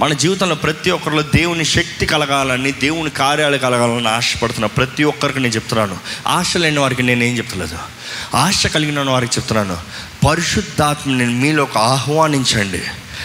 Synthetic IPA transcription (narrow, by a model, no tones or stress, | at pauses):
mɐnɐd͡ʒiːʋit̪ɐmloːpɾɐt̪iɔkːɐɾilo̞ːd̪e̞ːwuniʃɐk̚t̪ikɐlɐɡaːlɐnːid̪e̞ːwunikaːɾjaːlɐkɐlɐɡaːlɐɐnːiaːʂɐ̥pɐɽut̪unːaːupɾɐt̪iɔkːɐɾikine̞ːnt͡ʃep̚ut̪unːaːnua̰ːʂɐlenɐʋaːɾik̬ine̞ːne̞ːɲt͡ʃep̚t̪unlḛːd̪ṵ | aːʂɐkɐliɡinɐnːɐʋaːɾikit͡ʃeput̪unːaːnṵ | pɐɾiʂud̪ʱːaːt̪mɐninmiːlɔkɐaːɦʋaːniɲt͡ʃɐɳɖḭ